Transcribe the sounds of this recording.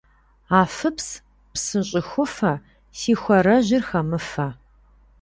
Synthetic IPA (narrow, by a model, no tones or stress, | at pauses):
aːfɨps | psɨɕʼɪxʷʊfɐ | siːxʷɐɾɐʑɪrxɐmɨfɐ